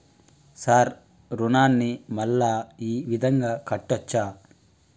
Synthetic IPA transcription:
saːɾ | ɾunaːnːimɐlːaːiːʋid̪ʱɐŋɡaːkɐʈːɐt͡ʃːaː

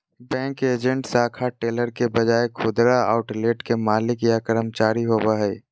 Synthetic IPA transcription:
bɛ̃ːŋkeːd͡ʒə̃ɳʈsaːkʰaʈeːləɾkebɐd͡ʒaːekʰʊd̪ɾaa̰ːʊʈleːʈkemaːlɪkjakəɾəmt͡ʃaːɾiɦoːbaɦɛː

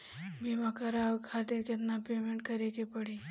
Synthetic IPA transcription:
bimakɐɾakʰaːt̪iɾket̪napeːmẽɳʈ̚kɐɾekepɐɽi

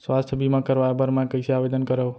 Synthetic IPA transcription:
sʋast̪ʰəbʱimãkəɾʋajabəɾmãkəiseaʋed̪ənkəɾəʋ

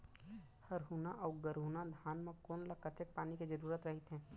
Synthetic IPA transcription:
hɐɾɦuːnaʔɔːɡəɾɦuːnad̪ʱaːnmẽkoːnlɐkət̪ek̚paːniked͡ʒəɾuːɾət̪ɾɐɦɪt̪ɦɛ̃ː

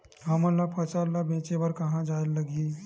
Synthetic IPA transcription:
ɦəmalapʰət͡ʃalabẽt͡ʃebəɾkəɦãd͡ʒaəlːəɡiː

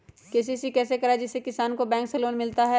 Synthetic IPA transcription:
keːs̬isikɛːsekɐɾad͡ʒɪsːekɪsaːnkobɛ̃ːŋkseloːnmɪlt̪aɦɛ

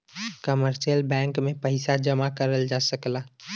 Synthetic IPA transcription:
kəməɾsijəlbɛ̃ːŋkmẽpəɪsad͡ʒəmakəɾəld͡ʒaːsəkla

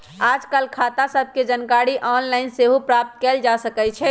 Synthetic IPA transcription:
ad͡ʒkalkʰat̪asəb̚ʱked͡ʒənkaɽiʔɔnlaɪnseɦopɾap̚t̪kɛld͡ʒasəkɛt͡ʃʰɛ

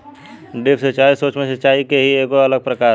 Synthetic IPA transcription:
ɖɪpʰsət͡ʃaːisoːt͡ʃmẽsɐt͡ʃaːikeɦieːkoɐləɡ̚pɾəkaː

